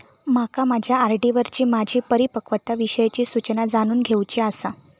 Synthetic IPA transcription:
makamad͡ʑʱjaːɾɖiʋəɾt͡ɕiːmad͡ʑʱiːpəɾipəkʋət̪aʋiɕəjt͡ɕiːsut͡ɕnad͡zaɽ̃uːnɡʱewt͡ɕiasa

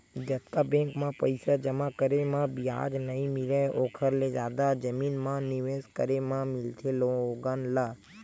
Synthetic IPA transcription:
d͡ʒət̪kabẽŋkmãpəjsad͡ʒəmãkəɾemãbija̰d͡ʒnəɦĩmɪleoːkʰəɾled͡ʒjad̪ad͡ʒəminmãniʋeskəɾemãmɪlt̪ʰelõoɡanla

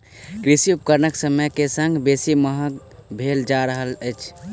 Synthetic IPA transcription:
kɾisiup̚kəɾnəksəməjkesə̃ŋɡbesiməɦək | bʱeld͡ʒaɾəɦələɪt͡ʃʰ

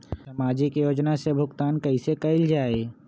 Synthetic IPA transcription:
sɐmaːd͡ʒikjoːd͡ʒnasebʱʊkt̪aːnkɐisekɐɪld͡ʒaːeː

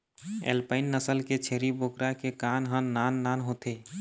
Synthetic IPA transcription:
ḛlpəɪnːəsəlket͡ʃʰeɾibokɾakekanɦənːanːanɦot̪e

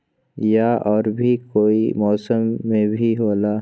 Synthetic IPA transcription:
jaɔːɾbʱikoːimɔːsəmːẽbʱiɦoːlaː

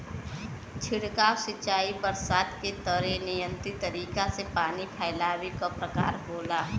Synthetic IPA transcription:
t͡ʃʰɪɽkaːosɪt͡ʃaːibəɾsaːd̪ket̪əɾenɪjə̃nt̪it̪ɐɾiːkasepaːnipʰaːɪlaːwikapɾɐka̰ːɾboːla

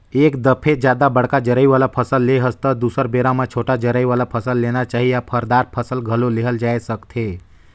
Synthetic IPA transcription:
eːkd̪əpʰed͡ʒjad̪abəɽ̤kad͡ʒəɾəiʋalapʰəsəlːeɦəst̪əd̪usəɾbeɾamãt͡ʃʰoʈad͡ʒəɾəiʋalapʰəsəlːenat͡ʃaɦijapʰəɾd̪aɾpʰəsəlɡʱəloleɦəld͡ʒaesəkt̪ʰe

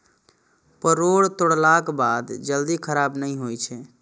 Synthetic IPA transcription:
pəɾoːɽt̪ʊɽlakbaːd̪d͡ʒəld̪ikʰəɾaːbnəɦĩɦojt͡ʃʰɛː

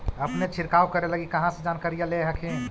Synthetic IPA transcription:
əpnet͡ʃʰiɾkawkəɾeləɡikəɦãsed͡ʒankaɾijaleɦəkʰẽ

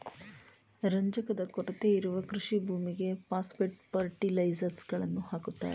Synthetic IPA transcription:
ɾɐɲd͡ʒɐkɐd̪ɐkɔʈɐt̪eiɾuʋɐkɾuʂibʱuːmiɡe̞paːspeʈpɐɾʈilɐjd͡ʒɐɾsɡɐɭɐnːuhaːkut̪ːa̰ːɾe

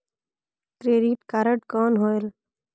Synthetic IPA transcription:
t̪ɾeːɾiːʈkaɾəʈkɔːnɦoːjl

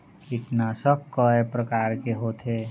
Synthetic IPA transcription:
kɪʈ̪nasəb̚kəepɾəkaːɾkeɦot̪ʰe

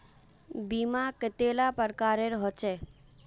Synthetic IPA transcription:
bimakət̪elapəɾkaɾeɾɦɔt͡ʃe

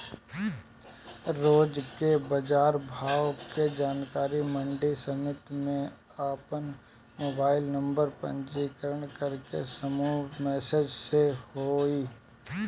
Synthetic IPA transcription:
ɾoːd͡ʒkebəd͡ʒaːɾbʱaːwked͡ʒaːnkaːɾimə̃ɳɖisəmɪt̪mẽ | aːpən | moːbaːɪlnə̃mbəɾpə̰̃ɲd͡ʒiːkəɾəɽ̃kəɾkḛsəmumɛːsed͡ʒsehoi

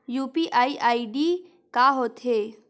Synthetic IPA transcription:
juːpiʔaːiʔaːiɖi | kaːɦoːt̪ʰɦeː

